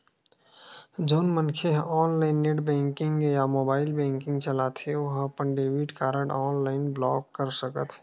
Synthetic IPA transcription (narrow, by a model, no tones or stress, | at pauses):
d͡ʒoʊnmənkʰeɦɔnlaɪnːeʈbɛ̃ŋkɪŋɡjamobaːɪlbɛ̃ŋkɪ̃ŋɡt͡ʃəlat̪ʰeoɦəpənɖebiʈkaɾəɽɔːnlaɪnblɔɡkːəɾsəkət̪ʰ